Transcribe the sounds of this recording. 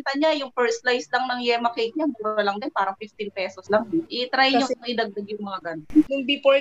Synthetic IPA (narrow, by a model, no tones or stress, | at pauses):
nt̪ɐɲajʊŋpɛɹslajslɐŋnɐŋjɛːmɐkejt̪̚ɲamuːɾɐlɐŋd̪ɪnpaːɾɐŋfɪft̪ɪnpɛːsoslaŋʔɪt̪ɾajɲooʔɪd̪ɐɡ̚d̪aɡjʊŋmɐŋaɡɐnnʊŋbipo